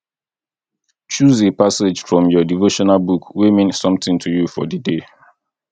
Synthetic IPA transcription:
t͡ʃuzepased͡ʒfɹɔ̃mjɔdivoʃɔnalbukwemĩnsɔ̃mtɪ̃ŋtʰujufɔ̰dəde

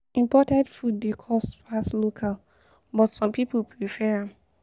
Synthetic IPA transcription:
ĩmpɔtɛ̃ndfud̚ːekʰɔstfaslokʰal | bɔtsɔ̃mpipolpʰɹifɛɹãm

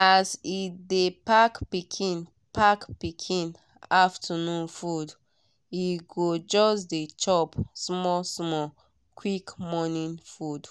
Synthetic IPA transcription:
asidepakpikʰĩn | pʰakpikʰĩn | aftʰənũnfud | iɡod͡ʒɔsdet͡ʃɔpsmɔsmɔ | kʰwikmɔnĩnfud

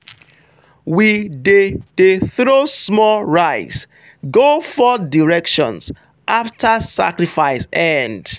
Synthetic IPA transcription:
widedeθɹosmɔlɹaɪs | ɡofɔdiɹɛkʃɔ̰̃ns | ʔaftʰasa̰kɹifaɪsɛ̃nd

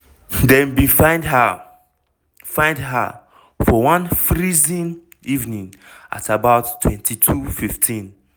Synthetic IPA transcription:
dɛ̃nwifãɪ̃ndha | fãɪ̃ndɦa̰ | fɔwãnfɹizĩn | ivnĩŋʔa̰tabaʊtʰːwɛ̃ntʰitʰufiftʰĩn

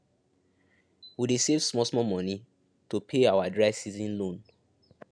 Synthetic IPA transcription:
widesevsmɔsmɔmɔ̃ni | topʰeawadɹaɪvsizĩnlõn

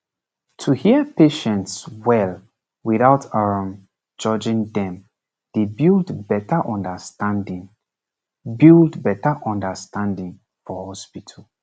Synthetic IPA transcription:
tʰuhiəpʰeʃɛ̃ntswɛl | wiθaʊtʰaɹãm | d͡ʒɔd͡ʒɪ̃ŋdɛ̃m | d̥ebildbɛtʰəʔɔ̃ndəstãndĩŋ | bildbɛtəʔɔ̃ndəstãndĩŋ | fɔhɔspitʰəl

